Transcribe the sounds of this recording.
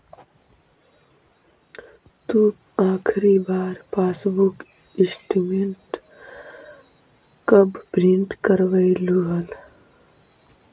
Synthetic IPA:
t̪u | aːkʰɾibaːɾpʰaːsbuk | ɪsʈimeɳʈ | kəbbɾiɳʈkəɾʋəiluɦəl

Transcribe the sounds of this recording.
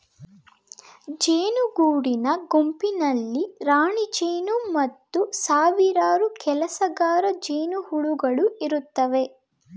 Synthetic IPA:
d͡ʒeːnuɡuːɽinɐɡompinɐlːiɾaːɳid͡ʒeːnumɐt̪ːusaːʋiɾaːɾukɛlɐsɐɡaːɾɐd͡ʒeːnuhuɭuɡɐɭuiɾut̪ːɐʋe̞

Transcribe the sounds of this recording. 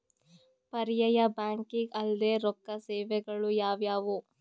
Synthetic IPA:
pɐɾjɐjɐbaːŋkiŋɡɐld̪eːɾɔkːɐsɛːʋɛɡɐɭujaːʋjaːʋu

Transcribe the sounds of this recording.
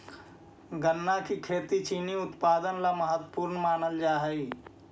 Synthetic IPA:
ɡənːakikʰeːt̪it͡ʃiːniʊt̪paːd̪ənlaməɦət̪wəpuːɾnmaːnəld͡ʒaːɦəi

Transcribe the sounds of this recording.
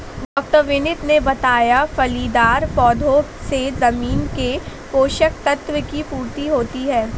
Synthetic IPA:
ɖɔːk̚ʈəɾʋɪnɪt̪nebɐt̪aːjafɐliːd̪aːɾpɔːd̪ʱosezɐmiːnkepoːʃək̚t̪ɐt̪ʋəkipuːɾt̪iɦoːt̪iɦɛː

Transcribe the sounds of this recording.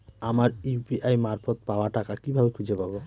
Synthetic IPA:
amaɾipiʔajmaɾfot̪̚paoaʈakakibʱabekʰud͡ʑʱepabo

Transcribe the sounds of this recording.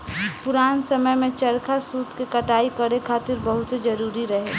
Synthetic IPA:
pʊɾaːnsəməjmẽt͡ʃəɾkʰasuːt̪kekəʈaːikəɾekʰaːt̪ɪɾbəɦʊt̪sed͡ʒəɾuːɾiɾəɦe

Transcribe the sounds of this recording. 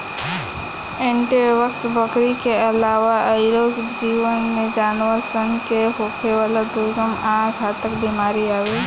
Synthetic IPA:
eɳʈeʋəksbəkɾikeəlaʋaʔəɪɾokd͡ʒiʋənmed͡ʒanwəɾsənkeɦokʰeʋalad̪ʱuɾɡəmãɡʱat̪əkbimaɾiawe

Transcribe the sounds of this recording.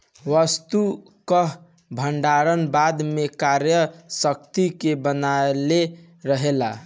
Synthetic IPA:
ʋəst̪u | kəɦ | bʱəɳɖaɾənbad̪mekaɾjəsək̚t̪ikebənaele | ɾəɦela

